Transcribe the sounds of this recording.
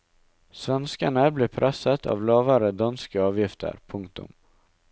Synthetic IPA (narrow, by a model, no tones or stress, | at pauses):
svɛnskaɳablɪpʰɾʔɛsːat̪ʰa̰vlɑːvaɾəd̪anskaɑːvjɪft̪ʰə̰ɾpʰɵŋk̚t̪ɵ̰m